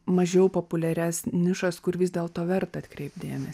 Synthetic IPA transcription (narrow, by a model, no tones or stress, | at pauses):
mɐʒʲɛʊpoːpʊlʲɛɾʲæsnʲɪʃɐskʊɾʋʲɪzʲd̪ʲeːlˠt̪oːʋʲɛɾt̪ɐɐt̪ʲkɾʲɛɪpd̪ʲeːmʲɛs